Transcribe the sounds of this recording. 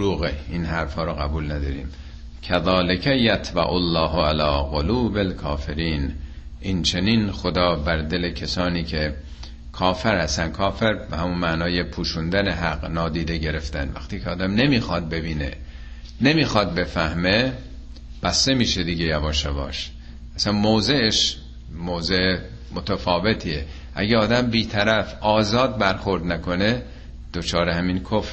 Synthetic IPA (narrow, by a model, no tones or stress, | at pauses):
ɾuːɣeiːnɦæɾfhɒːɾoɣæbuːlnæd̪ɒːɾiːm | kʰæðɒːlekʰæjæt̪ʰbæ̰ʔolːɒːɦoælɒːɣoluːbelkʰɒːfe̞ɾiːn | ʔint͡ʃʰe̞ninxod̪ɒːbæɾd̪e̞le̞kʰesɒːniːkʰe | kʰɒːfeɾhæst̪ænkʰɒːfeɾbehæmunmænɒːjepʰuːʃund̪æneɦæɡnɒːd̪iːd̪e̞ɟe̞ɾe̞ft̪ænvæ̰xt̪iːcʰeɒːd̪æmne̞miːxɒːd̪̚be̞biːnḛ | ne̞miːxɒːd̪̚be̞fæhme̞ | b̥æst̪e̞miːʃed̪iɟejæbɒːʃævɒ̰ːʃ | ʔæsænmoːzeʔːʃ | moːze | mot̪ʰæfɒːve̞t̪ʰiːe | ʔæ̰ɟeɒːd̪æmbiːt̪ʰæɾæfɒːzɒːd̪̚bæɾxo̞ɾd̪nækʰo̞ne | d̪̥ot͡ʃʰɒːɾehæminkʰof